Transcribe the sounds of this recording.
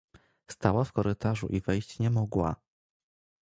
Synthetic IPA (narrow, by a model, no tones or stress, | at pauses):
st̪awafkɔɾɘt̪aʐṵʔivɛjt͡ɕɲɛmɔɡwa̰